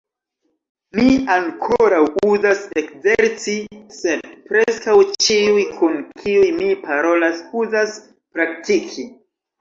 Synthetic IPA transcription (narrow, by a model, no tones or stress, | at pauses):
miaŋkʰoɾawuzase̞kzeɾt͡sise̞dpɾeskawt͡ʃiujkʰunkʰiujmipaɾo̞lasuzas | pɾak̚tikʰi